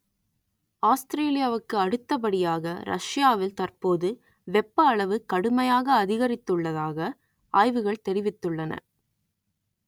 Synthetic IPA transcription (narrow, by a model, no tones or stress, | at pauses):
aːst̪ɾeːlɪjaːʋɯkːɯɐɽɯt̪ːɐpɐɽɪjaːɣɐɾɐ̰ʂjaːʋɪlt̪ɐrpoːðɯ | ʋɛpːɐːɭɐʋɯkːɐɽɯmɐjaːɣɐːðɪɣɐɾɪt̪ːɯɭːɐðaːɣɐ | ʔaːjʋɯɣɐɭt̪ɛɾɪʋɪt̪ːɯɭːɐnɐ̰